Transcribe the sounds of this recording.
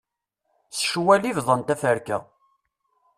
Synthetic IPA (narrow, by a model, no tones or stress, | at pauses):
səʃwælivðˤənt̪æfəɾkæ̰